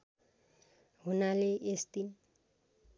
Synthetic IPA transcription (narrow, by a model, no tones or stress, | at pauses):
ɦunaleesd̪in